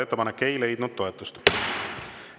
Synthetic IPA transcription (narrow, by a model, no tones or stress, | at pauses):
et̪ːepɑnekːe̞jle̞jd̪̥nud̪̥̚t̪ːo̞e̞t̪ːˑust̪